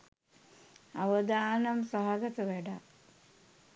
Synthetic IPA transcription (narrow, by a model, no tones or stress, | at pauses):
ɐʋɐd̪aːnɐmsɐɦaɡɐt̪ɐʋeɖa